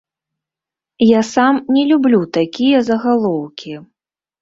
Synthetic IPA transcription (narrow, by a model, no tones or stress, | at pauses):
jasamnʲɛlʲublʲut̪akʲijɐzɐɣalˠɔwkʲi